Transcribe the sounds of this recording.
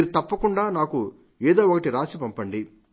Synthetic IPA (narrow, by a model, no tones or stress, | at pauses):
iɾut̪ɐpːɐkuɳɖaːnaːku | ɛːd̪oːɔkɐʈiɾaːsipɐmpɐɳɖi